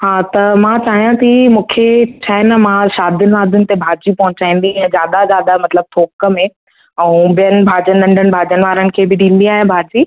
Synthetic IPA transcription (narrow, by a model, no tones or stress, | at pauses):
ɦaːt̪ɐmãt͡ɕaːɦijãt̪imũːkʰet͡ɕʰaːɪnəmãʃaːd̪ʱʊnɪ̆ʋaːd̪ʱʊnɪ̆t̪ebʱaːd͡ʑipɐɦʊ̃t͡ɕaːĩːn̆d̪iɛ̃zjaːd̪azjaːd̪amɐt̪ləb̚t̪ʰoːkə̆mẽ | ɛ̃ːbijənɪ̆bʱaːd͡ʑənɗɐ̃ɳɖʱənɪ̆bʱaːd͡ʑənɪ̆ʋaːɾənɪ̆kʰeːbɪɗĩːn̆d̪iaːɦẽbʱaːd͡ʑiː